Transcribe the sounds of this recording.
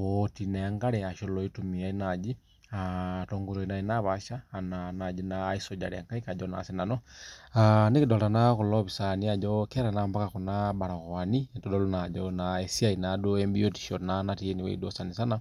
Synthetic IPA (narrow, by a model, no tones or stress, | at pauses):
otinaaŋɡaɾɛaʃolɔitumiainad͡ʒi | atoŋɡuɾoinainaβaʃaːnanad͡ʒinaːisoɟa̰ɾɛaŋkaikaɟɔna̰sinanɔanikidɔtanakulɔβisaniaɟɔkɛɾanambakakunabaɾaɣwanitɔdɔlunaɟɔnaesiainadoɛmbioti̥ʃɔnanatieniwɛ̰ḭdosanisana